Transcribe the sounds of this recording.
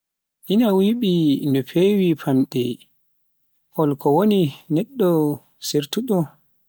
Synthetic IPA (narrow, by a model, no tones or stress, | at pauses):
ʔinawiɓinɔfewipʰamɗɛ | ʔɔlkɔwoninɛɗːɔ | seɾtuɗɔ